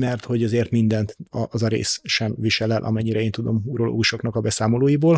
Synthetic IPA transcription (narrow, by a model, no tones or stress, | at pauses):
mɛrt̪ho̞ɟɒzeːrt̪mind̪ɛnt̪ɒʔɒzɒɾḛːsʃɛmviʃɛlɛlʔɒ̰mɛɲːiɾɛeːnt̪ud̪o̞muɾo̞lo̰ːɡuʃo̞knɒkɒbɛsaːmo̞loːjiboːl